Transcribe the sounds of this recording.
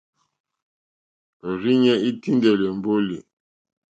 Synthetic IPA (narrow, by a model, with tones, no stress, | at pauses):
o˨ɾi˦ɲɛ˦i˦ti˦ndɛ˨le˨m̩˨bo˦li˨